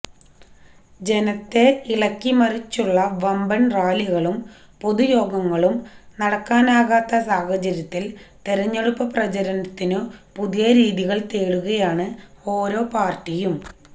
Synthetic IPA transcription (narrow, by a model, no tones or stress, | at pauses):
d͡ʑe̞nɐt̪ːe̞iɭɐkːimɐrit͡ɕːuɭːɐʋɐmbɐnraːliɣɐɭum | po̞ðujo̞ːɡɐŋːɐɭumnɐɽɐkːaːnaːɣaːt̪ːɐsaːhɐt͡ɕɐɾjɐt̪ːilt̪eɾɐɲːeɽupːɐprɐd͡ʑɐɾɐnɐt̪ːinɨpuðijɐɾiːðiɣɐɭt̪eːɽuɣɐjaːɳɨ | o̞ːɾo̞ːpaːrʈijum